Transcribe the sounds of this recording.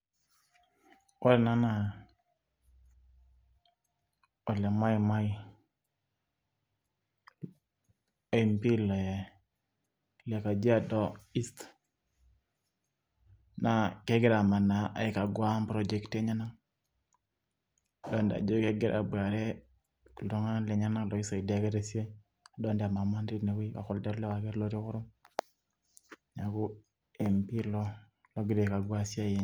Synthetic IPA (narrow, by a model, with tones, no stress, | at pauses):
wo˦lɛ˨na˦na˨ | ɔ˨lɛ˨ma˦jma˦i˦ | ɛ˨mpi˦lɛ˨ | la˨ka˨d͡ʒi˦a˦dɔ˦i˦st̪ | na˨kɛ˦ɡɪ˦ɾa˨ma˨na˨ʔa̰˨ɪ˨ka˨ɡwa˦mpɾɔ˦d͡ʒɛ˦kte˦ɲa˦na˦ŋ˨ | dɔ˦nda̰˨d͡ʒo˦kɛ˦ɡɪ˦ɾʔa̰˨bwa˨ɾɛ˦ | ku˨ldɔ˦ŋa˦lɛ˨ɲa˦na˦ŋlɔ˨i˦sa˨i˨da˦ke˦ɾe˦sje˦ | a˨dɔ˦nde˨a˨ma˨ma˦ndi˦tne˨wi˦wa̰˨kɔ˨lda˦ɾlɛ˦wa˨kɛ˦tlɔ˦ɾi˦kʊ˦ɾʊ˦m | ɲa˨ku˦ | ɛ˨mpi˦lɔ˦ | lɔ˦ɡɪ˦ɾɛ˨ka˨ɡwa˦sja˦je˦